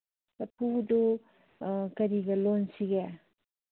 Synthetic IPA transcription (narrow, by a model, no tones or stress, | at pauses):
sɐpʰudu | kɐɾiɡɐlonsiɡe